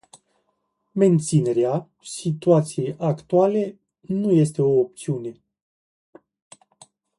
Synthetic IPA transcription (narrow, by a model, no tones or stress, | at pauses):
me̞nt̪sine̞ɾea | sit̪uat̪sije̞jʔakt̪uale̞ | nuje̞st̪e̞o̞ːp̚t̪siune̞